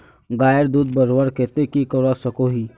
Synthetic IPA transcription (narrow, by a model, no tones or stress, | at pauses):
ɡaːjəɾd̪uːd̪̚bəɾwaɾkeːt̪ekikəɾasəkoɦiː